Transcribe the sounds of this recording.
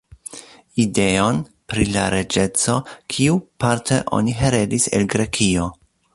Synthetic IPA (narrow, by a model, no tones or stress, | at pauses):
ide̞o̞n | pɾilaɾe̞d͡ʒe̞t͡so̞kʰiupaɾtʰḛʔo̞̰niɦeɾe̞disḛlɡɾe̞kʰio̞